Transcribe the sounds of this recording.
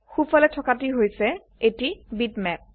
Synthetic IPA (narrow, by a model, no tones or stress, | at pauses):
xufʰɔlɛtʰɔkatiɦojsɛ | etibitmɛp̚